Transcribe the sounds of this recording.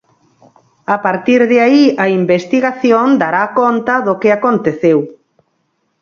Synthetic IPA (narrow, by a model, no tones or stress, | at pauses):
apaɾt̪iɾðeaiɐimbest̪iɣaθjond̪aɾakont̪ɐðokɪakont̪eθew